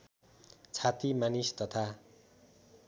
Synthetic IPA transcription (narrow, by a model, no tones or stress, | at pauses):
t͡sʰat̪imanist̪ʌt̪ʰa